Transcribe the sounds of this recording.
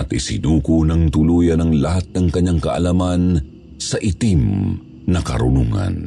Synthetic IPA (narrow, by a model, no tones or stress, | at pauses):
ʔɐt̪isɪ̰nuːkunɐŋt̪ʊlujanɐŋlahat̪̚nɐŋkɐɲːaŋkɐʔa̰laman | sɐʔit̪im | nɐkɐ̰ɾʊ̰nuŋa̰n